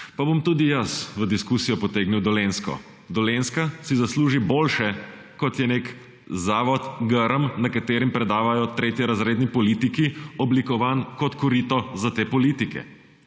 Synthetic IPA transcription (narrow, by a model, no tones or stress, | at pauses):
pabomt̪uːd̪ijɐsʋəd̪iskuːsijɔpɔt̪eːɡniwd̪ɔleːnskɔ̰ | d̪ɔlenskasizasluːʒiboːlʃɛ | kɔt̪jɛnek | zaːʋɔt̪ɡəɾəmnakat̪eːɾimpɾɛd̪aːʋajɔt̪ɾeːt̪jɛɾazɾeːd̪nipɔliːt̪ikiɔblikɔʋaːnkɔt̪kɔɾiːt̪ɔzat̪eːpɔliːt̪ikɛ̰